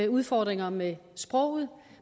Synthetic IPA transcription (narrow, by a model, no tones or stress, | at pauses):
uð̞ˠfɒːd̥ʁeŋɐmesb̥ʁɔ̽ʊ̰ð̩ˠ